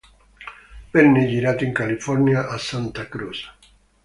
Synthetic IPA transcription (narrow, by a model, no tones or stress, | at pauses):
bɛnːed͡ʒiɾat̪iŋkalifɔɾnjaʔːsant̪akɾusḁ